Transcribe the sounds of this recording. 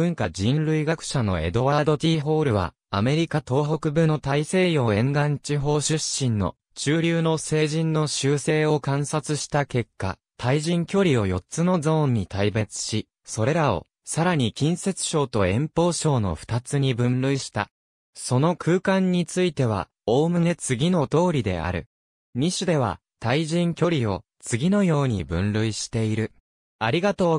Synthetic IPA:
b̥ɯ̟̃ŋkad͡ʑĩnɾɯ̟iɡakɯ̟̥ɕano̞̰e̞̰d̪o̞βad̪o̞t̪ʲiːɦo̞ːɾɯ̟β̞a̰ | a̰me̞ɾʲikat̪o̞ːɦo̞kɯ̟bɯ̟not̪aise̞ːjo̞ːẽŋɡãɲt͡ɕiɦo̞ːɕɨɕːĩnːo̞̰ | t͡ɕɨːɾʲɨːno̞se̞ːʑĩnːo̞ɕɨːse̞ːo̞kãɰ̃sat͡sɨɕi̥t̪ake̞kːa̰ | t̪ʰaiʑĩŋkʲo̞ɾʲio̞jo̞tt͡sɨno̞zõ̞ːɲ̟ːit̪aibe̞t͡sɨ̥ɕi | so̞ɾe̞ɾao̞̰ | saɾaɲ̟ikʲĩɰ̃se̞t͡sɨ̥ɕo̞ːt̪o̞ẽ̞mpo̞ːɕo̞ːno̞̰ɸɯ̟̥t̪at͡sɨɲ̟ibɯ̟̃nɾɯ̟iɕi̥t̪a | so̞no̞kʰɯ̟ːkãɲ̟ːit͡sɨit̪e̞β̞a̰ | o̞ːmɯ̟ne̞t͡sɨɡʲino̞t̪o̞ːɾʲid̪e̞̰a̰ɾɯ̟̰ | ɲ̟iɕɨd̪e̞β̞a̰t̪aiʑĩŋkʲo̞ɾʲio̞ | t͡sɨɡʲino̞jo̞ːɲ̟ḭbɯ̟̰̃nɾɯ̟iɕi̥t̪e̞iɾɯ̟ | aɾʲiɡat̪o̞ː

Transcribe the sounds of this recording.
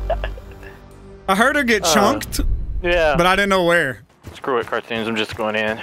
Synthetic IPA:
aɪɦɜ˞ɾə˞ɡɛt̚t͡ʃʰʌ̃ŋktjæbʌɾaɪɾɪdⁿn̩nːoʊwə˞ | skɹʉɨt̚kʰɑɹtʰʉ̃nzãɪ̃md͡ʒʌsɡ̥oʊɪ̃ŋɪ̃n

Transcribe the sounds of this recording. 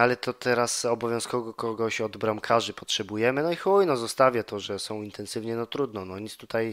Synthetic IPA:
alɛt̪ɔt̪ɛɾasɔbɔvʲjɔ̃wskɔɡɔkɔɡɔɕɔd̪bɾamkʰaʐɘpɔtʂɛbujɛmɘnɔixwɔjnɔzɔst̪avʲjat̪ɔʐɛsɔ̃w̃int̪ʰɛnsɘvɲɛnɔt̪ɾud̪nɔnɔɲit̪st̪ut̪aj

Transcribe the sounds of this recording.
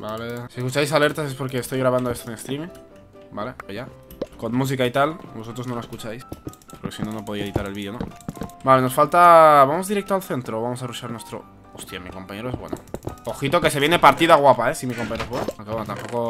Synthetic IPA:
balesieskut͡ʃajs̬ale̞ɾt̪ase̞spo̞ɾke̞ːst̪o̞jɣɾaβ̞anoe̞st̪oeŋest̪ɾimĩŋ | bale̞oʝa | ko̞nmus̬ikait̪albo̞so̞t̪ɾo̞zno̞laeskut͡ʃajs | poɾke̞sino̞nopo̞ð̞ejeðit̪aɾelβiðjo̞nobaleno̞sfalt̪aβamo̞zðiɾek̚t̪oalθe̞nt̪ɾooβamos̬aruʃaɾnwe̞st̪ɾo̰ | ost̪jamiko̞mpaɲe̞ɾoe̞zβwe̞̰no̰oxit̪o̞ke̞seje̞nepaɾt̪iðaɣwapaesimikompaɲeɾoe̞zβwenoaŋkeβwonat̪ampo̞ko̞

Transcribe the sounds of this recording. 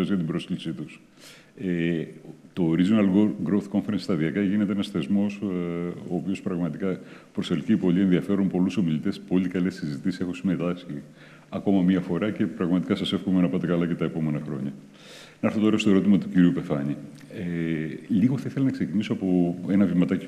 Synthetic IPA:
esʝɐt̪ibɾo̞sklisit̪us | e | t̪o̞ːɾizonɐlɡoɡɾowθko̞ɱfeɾenst̪ɐðiɐkɐʝinet̪eenɐsθezmo̞soːpio̞spɾɐɣmɐt̪ikɐpɾoselcipo̞ʎie̞nðiɐfe̞ɾunpo̞luso̞milit̪e̞spo̞likɐlesizit̪isise̞xosime̞t̪ɐsçi | ɐko̞mɐmiɐfo̞ɾɐce̞pɾɐɣmɐt̪i̥kɐsɐse̞fkomenɐpɐt̪e̞kɐlɐce̞t̪ɐepo̞me̞nɐxɾo̞̰ɲɐ | nɐɾθot̪o̞ɾɐst̪o̞e̞ɾo̞t̪̬imɐt̪uciɾiupe̞fɐɲi | eliɣoθɐiθelɐnɐkseciniso̞ɐpo̞e̞nɐvimɐt̪ɐci

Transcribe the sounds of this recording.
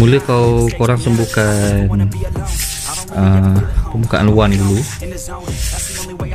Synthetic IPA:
muləkawkoɾaŋsəmbukan | əpəmbukaʔa̰nuanidulu

